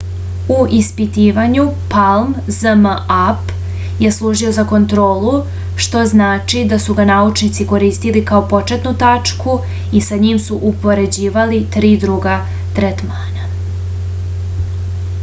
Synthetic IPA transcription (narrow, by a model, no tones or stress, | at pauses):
uʔispit̪iːʋaɲupalmzəmap | je̞slˠuːʒio̞zako̞nt̪ɾo̞ːlu | ʃt̪o̞znaːt͡ʃid̪asuɡanaut͡ʃnit̪siko̞ɾiːst̪ilikao̞po̞t͡ʃet̪nut̪at͡ʂku | isaɲiːmsuʔupo̞ɾe̞d͡ʑiːʋalit̪ɾiːd̪ɾuɡa | t̪ɾet̪maːna